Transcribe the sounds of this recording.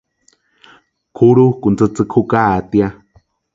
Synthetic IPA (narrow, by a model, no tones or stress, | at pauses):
kʰuɾukunt͡sɨt͡sɨkʰukat̪ia